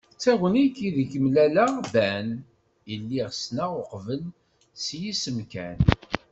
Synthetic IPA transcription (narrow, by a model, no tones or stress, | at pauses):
t͡sːæwənikːiðikəmlælabæn | jəlːiʁsnaʊqvəl | sjisəmkæn